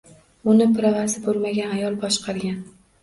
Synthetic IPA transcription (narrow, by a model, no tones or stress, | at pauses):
ʊnɪpʰɾavazɪbolmaɡʲanajɒlˠbɒʃqɑɾɡʲan